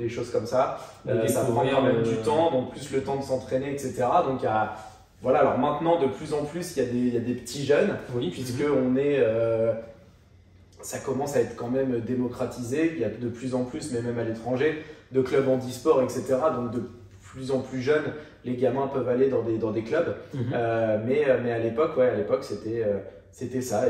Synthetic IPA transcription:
leʃozkɔmsaksapχɑ̃ɛmɛmd̪yt̪ɑ̃d̪ɔ̃k̚plyslət̪ɑ̃d̪əsɑ̃t̪χeneɛkset̪eʁad̪ɔ̃kja | vwalaːlɔʁmɛ̃t̪nɑ̃d̪əplyzɑ̃plysijad̪ejad̪epə̥t̪ʰiʒœnwipɥiskəɔ̃nɛø | sakɔmɑ̃saɛt̪χkɑ̃mɛmød̪emɔkχat̪ʰizepjad̪əplyzɑ̃plysmɛmɛmalet̪χɑ̃ʒed̪əklœbɑ̃d̪ispɔʁɛkset̪eʁad̪ɔ̃k̚d̪ə | plyzɑ̃plyʒœn | leɡʲamɛ̃pœvaled̪ɑ̃d̪ed̪ɑ̃d̪eklœbømɛømɛalepɔkwɛalepɔkset̪ɛø | set̪ɛsa

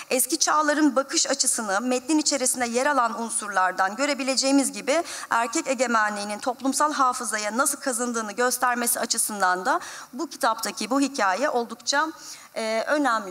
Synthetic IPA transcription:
ɛscit͡ʃʰaːlˠaɾɯnbakʰɯʃat͡ʃʰɯsɯnɯmɛt̪lʲinit͡ʃʰe̞ɾisinɛjeɾalˠanunsuɾlˠaɾd̪anɟø̞ɾe̞bilʲed͡ʒe̞jimizɟibiæɾcʰɛce̞ɟe̞mænlʲiːnint̪ʰo̞plˠumsalˠɦaːfɯzajanasɯlˠkʰazɯnd̪ɯːnɯɟø̞st̪ʰæɾme̞siat͡ʃʰɯsɯnd̪and̪abucʰi̥t̪ʰap̚t̪ʰacʰibuɦicʰaːjɛʔo̞lˠd̪ukt͡ʃʰaː | ʔø̞næmlʲ

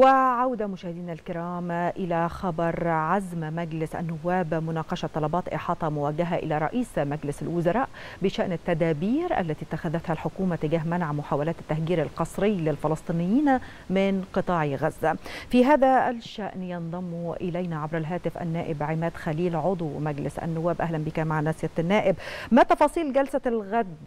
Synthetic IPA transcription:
wɪʕawd̪amʊʃæːhɪd̪iːnalkɪɾɑːmʔɪlæxɑbɑɾˤʕazmmæɡlɪsʔæ̰nːʊwːæːbmʊnɑːqɑʃɑt̪ˤːɑlɑbɑːt̪ʔɪ̰ħɑːt̪ˤɑmʊwæɡːaɦaʔɪ̰læɾˤɑʔiːsmæɡlɪsalwʊzɑɾˤɑːʔ | bɪʃaʔnat̪ːæd̪æːbiːɾʔa̰lːæt̪iːt̪ːaxæðæt̪hælħʊkuːmat̪ɪɡæːɦmanʕamʊħaːwalæːt̪at̪ːæhɡiːɾalqɑsˤɾɪjːlɪlfɑlɑsˤt̪ˤiːnɪjːiːn | mɪnqɨt̪ˤɑːʕiɣæzːæfiːɦæːðælʃæʔnjɑnðˤɑmːuʔɪlæjnæʕabɾælɦæːt̪ɪfʔæ̰nːæːʔɪbʕɪmæːd̪̥xæliːlʕod̪ˤwmæɡlɪsʔæ̰nːʊwːæːbʔæɦlænbikæmaʕnæːsɪjæt̪nːæːʔɪbmæt̪ɑfɑːsˤiːlɡælsælɣæd̪

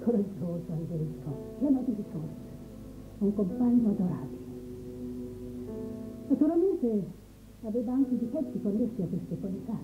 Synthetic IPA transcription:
kʰoɾad͡ʒːoːsoanveɾiskɔkianad̪iɾit̪ːuːɾa | uŋkompaɲːoad̪oɾa̰ːbile | nat̪uɾalment̪e | aveːvaaŋked̪ipɛsːikonːesːiakːwest̪ekolit̪a

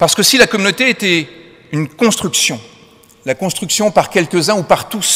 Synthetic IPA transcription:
paʁsə̥kəsilakɔmynot̪eːt̪ɛ | ynkɔ̃st̪χyksjɔ̃ | lakɔ̃st̪χyksjɔ̃paʁkʲɛlkʲəzɛ̃upaʁt̪us

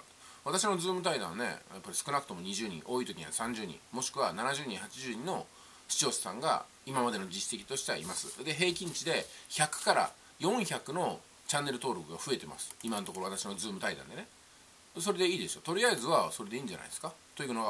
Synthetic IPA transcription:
β̞at̪aɕ̬ino̞zɨːmɯ̟t̪̬aid̪ãnne̞̰japːaɾʲisɨ̥kɯ̟nakɯ̟̥t̪o̞mo̞ɲ̟iʑɨːɲ̟ḭ̃ʔo̞ːit̪o̞kʲiɲasãɲd͡ʑɨːɲ̟ḭ̃mo̞ɕi̥kɯ̟βananaʑɨːɲ̟ĩhat͡ɕiʑɨːɲ̟ĩno̞ | ɕi̥t͡ɕio̞ːsɨ̥sã̰ŋɡa̰ | imamad̪e̞no̞d͡ʑisse̞kʲi̥t̪o̞ɕi̥t̪e̞a̰imasɨd̪e̞ɦe̞ːkʲĩɲ̟t͡ɕid̪e̞çakɯ̟̥kaɾa̰ | jõ̞ɰ̃çakɯ̟no̞ | t͡ɕãnːe̞ɾɯ̟t̪o̞ːɾo̞kɯ̟ɡaɸɯ̟e̞t̪e̞ma̰sɨ̥imanot̪o̞koɾat̪aɕino̞d͡zɨːmɯ̟t̪aid̪ã̰n̞ne̞ | so̞ɾe̞d̪e̞iːd̪e̞ɕot̪o̞ɾʲiaizɨβaso̞ɾe̞d̪e̞iːɲ̟d͡ʑa̰na̰id̪eskat̪o̞iɯno̞ɡa

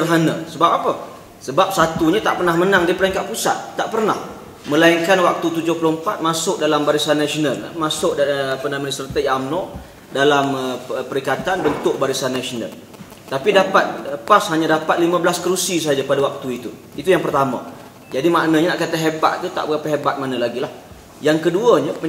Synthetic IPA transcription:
ərɦanə̃səbap̚apə | səbap̚sat̪uɲat̪aʔpərnahmənaŋdipəɾɛŋkaʔ̪̚pusa̰t̪̚ːaʔpərnah | mə̃laiŋkanwak̚t̪ut̪ud͡ʒʊhpəloəmpat̪̚masʊk̚dalambaɾisanːasionalmasʊʔdpənamənisərt̪ajaːmnɔʔ | dalaməpəɾikat̪anbənt̪ʊʔ̚baɾisanːasona̰l | t̪apidapat̪̚pashaɲãdapat̪̚limãbəlaskəɾusisəɦad͡ʒapadawak̚t̪uit̪u | it̪ujaŋpərt̪amə̰ | d͡ʒadimaʔnəɲənaʔkat̪aɦeba̰ʔ̪̚t̪ut̪a̰ʔpəkapaɦebat̪̚manəlaɡilah | jaŋkəduəɲəp

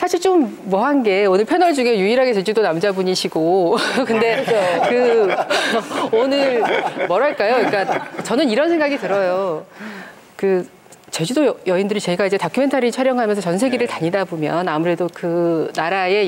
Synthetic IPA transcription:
sʰaɕʰiɭt͡ɕ͈omː | wʌɦanɡe̞onɯɭpʰe̞nʌɭd͡ʑuŋejuiɾɦaɡet͡ɕe̞d͡ʑudonamd͡ʑabuɲiɕʰiɡokɯnde̞kɯ | onɯɾmʌɾaɭk͈ajoik͈at͡ɕʌnɯniɾʌnsʰe̞ŋɡaɡitɯɾʌjo | kɯ | t͡ɕe̞d͡ʑudojjʌindɯɾit͡ɕe̞ɡaid͡ʑe̞takʰɯme̞ntʰaɾit͡ɕʰaɾjʌŋɦamjʌnsʰʌt͡ɕʌnsʰe̞ɡiɾɯɭtaɲidabomjʌnamuɾe̞dokɯnaɾae̞

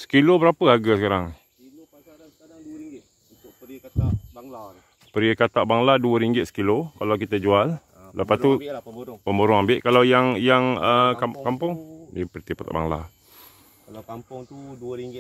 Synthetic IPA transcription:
sə̥kilobəɾapəhaɡasəkaɾaŋ | pəɾiəkat̪aʔbaŋladuəɾiŋɡɪt̪sə̥kilokalawk̬it̪əd͡ʒual | ləpast̪upəmboɾʊŋambɪʔkalawjaŋjaŋəkakampʊŋdipərt̪ipat̪a̰ʔba̰ŋla̰ | iŋ

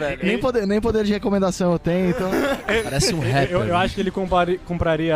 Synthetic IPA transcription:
vɛnẽj̃pod̪enẽj̃pod̪eɾd͡ʒɪhekomẽnd̪asɐ̃w̃ewt̪ẽj̃ẽt̪ɐ̃paɾɛssɪũɦɛpeewaʃʊ̥kɪelɪkõpaɾikõmpɾaɾiɐ

